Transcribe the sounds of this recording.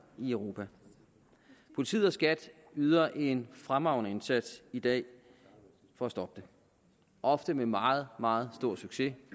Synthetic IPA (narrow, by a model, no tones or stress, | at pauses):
iœʊʁo̝ːpʰæ | pʰolit͡sʰḭð̩ˠɒsɡ̥æd̥ | yð̞ˠɐʔe̝nfʁamʁɑ̈ʊnəe̝nsæd̥sid̥ɛ̰ː | fɒ̽æsd̥ɒ̽b̥̚d̥e̝ | ʔɒ̽fd̥əmemɑ̈ːð̩ˠmɑ̈ːð̞̩ˠsd̥o̝ɐ̰syɡ̥se̝